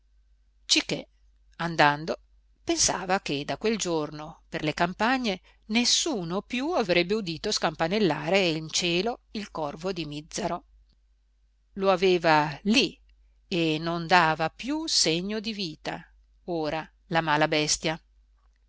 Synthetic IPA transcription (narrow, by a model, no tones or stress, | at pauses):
t͡ʃikːḛ | and̪and̪o | pensa̰ːvaked̪akːweld͡ʒornoperlekampaɲːe | nesːuːnopjuavɾɛbːeud̪iːt̪oskampanelːaːɾeint͡ʃeːloilkɔrvod̪imid̪zːaɾo | loaveːvali | enond̪aːvapjuseɲːod̪iviːt̪a̰ | oːɾa | lamaːlabɛst̪ja